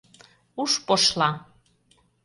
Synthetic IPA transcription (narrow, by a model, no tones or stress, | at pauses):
uʃpoʃlˠɑ